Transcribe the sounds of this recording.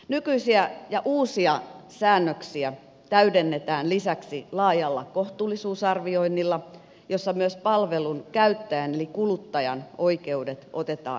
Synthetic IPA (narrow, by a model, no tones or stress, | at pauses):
nykyisiæjɑʔuːsiɑsæːnːøksiæ | t̪æydenːet̪æːnlisæksilɑːjɑlːɑ̰koht̪uːlːisuːsɑrʋio̞inːilːɑ | josːɑmyøspɑlʋelunkæyt̪ːæjænelikulut̪ːɑjɑ̰noike̞udet̪o̰t̪et̪ɑ̰ː